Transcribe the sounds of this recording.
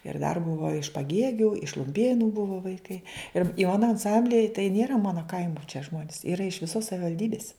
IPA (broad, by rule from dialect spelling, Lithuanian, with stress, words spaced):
ɪr dɐr ˈbʊʋɐ ɪʃ pɐˈɡʲeːɡʲʊ ɪʃ lˠʊmʲˈpʲeːnʊ ˈbʊʋoː ʋɐɪˈkɐɪ ɪr ɪ ˈmɑːnoː ɐnˈsɐmʲbʲlʲɪjɛ tɐɪ ˈnʲeːrɐ ˈmɑːnoː ˈkɐɪmʊ t͡ʃʲɛ ˈʒmoːnʲɪs ˈiːrɐ ɪʃ ʋʲɪˈsoːs sɐʋʲɪʋɐlʲˈdʲiːbʲɪs